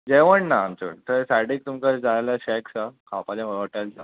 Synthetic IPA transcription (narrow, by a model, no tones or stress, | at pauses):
d͡ʑeʋəɳnaːmt͡ɕə̰ɳt̪əɾsajɽik̚t̪umkaɾd͡zajlaɕɛksakʰapalãʋəəʈajlt͡sa